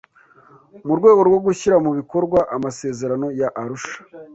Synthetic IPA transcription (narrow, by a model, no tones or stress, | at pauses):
muɾɡwe̞ːɡo̞ɾɡwo̞ɡuçiɾamuβiko̞ɾɡwaʔamase̞ːze̞ɾano̞jaʔːɾuʃḁ